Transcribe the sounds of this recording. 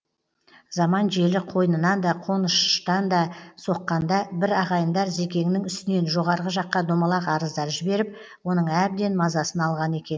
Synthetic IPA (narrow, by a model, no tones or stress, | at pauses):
zɑmɑnʒe̞lɪqʰo̞jənənɑnd̪ɑqʰo̞nəʃə̥ʃt̪ɑnd̪ɑso̞qːɑnd̪ɑbɪɾɑʁɑjənd̪ɑɾze̞kʲe̞ŋɪnɪŋʏst̪ɪne̞nʒo̞ʁɑɾəʁəʒɑqːɑd̪o̞mɑlˠɑqɑɾəzd̪ɑɾʒɪbe̞ɾɪp̚ | wo̞nəɴæb̚d̪e̞nmɑzɑsənɑlˠʁɑne̞kʲe̞n